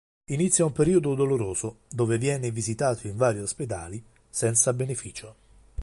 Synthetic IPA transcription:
init̪sːjaumpeɾiːod̪od̪oloɾoːz̥od̪oːvevjɛːnɪvizit̪aːt̪ʰoiɱvaːɾjiosped̪a̰ːli | sɛnt̪sabenefiːt͡ʃo

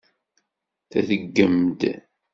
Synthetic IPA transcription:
θæ̰θəɡːəmd̪

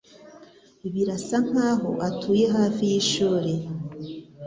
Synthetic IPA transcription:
iβiɾasaŋ̥haːɦoʔatʰuːje̞ɦaːfijiʃuːɾe̞

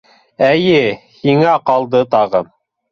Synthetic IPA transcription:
æjɘhiŋæqɑlˠd̪ɤt̪ɑʁɤm

